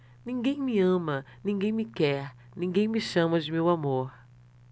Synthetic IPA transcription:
nĩŋɡẽj̃mɪɐ̃mɐnĩŋɡẽj̃mɪkɛɾ | nĩŋɡẽj̃mɪʃɐ̃mɐd͡ʒɪmewamoɾ

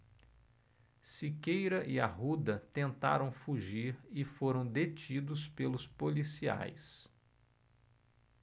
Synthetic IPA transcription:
sikejɾɐʔiaɦud̪ɐt̪ẽnt̪a̰ɾɐ̃w̃fuʒiɾɪfoɾɐ̃w̃d̪et͡ʃid̪ʊspelʊspolisia̰js

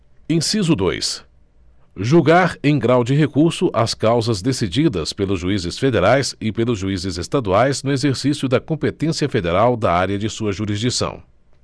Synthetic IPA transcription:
ẽsizʊd̪o̰js | ʒuɡaɾẽj̃ɡɾawd͡ʒɪɦekuɾsʊʔɐskawzɐzd̪esid͡ʒid̪ɐspelʊzʒuizɪsfed̪eɾajsɪpelʊzʒuizɪzest̪ad̪uajznʊezeɾsisiʊd̪ɐkõmpet̪ẽsiɐfed̪eɾawd̪ɐaɾʲjɐd͡ʒɪsuɐʒuɾizd͡ʒisɐ̰̃w̃

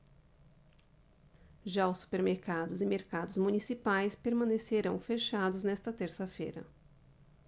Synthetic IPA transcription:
ʒaʊsːu̥peɾmeɾkad̪ʊzɪmeɾkad̪ʊzmunisipajspeɾmɐ̃neseɾɐ̃w̃feʃad̪ʊznɛst̪ɐt̪eɾsɐfḛjɾɐ̰

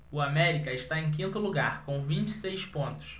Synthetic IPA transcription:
ʊamɛɾikɐɪʃt̪aẽj̃k̬ĩnt̪ʊluɡaɾkõvĩnt͡ʃɪ̥sejspõnt̪ʊ̥s

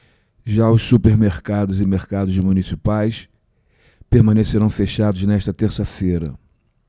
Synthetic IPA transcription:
ʒaʊssupeɾmeɾkad̪ʊzɪmeɾkad̪ʊzmunisipajs | peɾmɐ̃neseɾɐ̃w̃feʃad̪ʊznɛʃt̪ɐt̪eɾsɐfejɾɐ̰

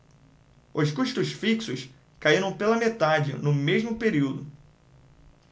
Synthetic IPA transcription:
ʊskuʃt̪ʊsfiksʊs | kaiɾɐ̃w̃pelɐmet̪ad͡ʒɪ̰nʊmeʒmʊpeɾiwd̪ʊ

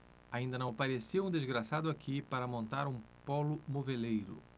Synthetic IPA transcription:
aĩnd̪ɐnɐ̃w̃paɾesiũd̪ezɡɾasad̪ʊakʰipaɾɐmõnt̪aɾũ | pɔlʊmovelejɾʊ̰

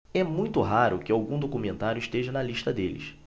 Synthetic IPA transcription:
ɛmũj̃t̪ʊɦaɾʊkɪawɡũd̪okumẽnt̪aɾjʊiʃt̪eʒɐnɐliʃt̪ɐd̪elɪ̰s

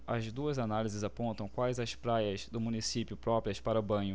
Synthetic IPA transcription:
ɐzd̪uɐzanalizɪzapõnt̪ɐ̃w̃kwajzɐspɾajɐzd̪ʊmũnisipjʊpɾɔpɾiɐspaɾɐʊbɐ̃ɲʊ

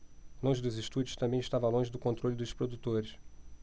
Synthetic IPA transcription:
lõʒɪd̪ʊziʃt̪ud͡ʒʊʃt̪ɐ̃mbẽj̃ɪʃt̪avɐlõʒɪd̪ʊkõnt̪ɾolʲʊd̪ʊʃpɾod̪ut̪oɾɪs

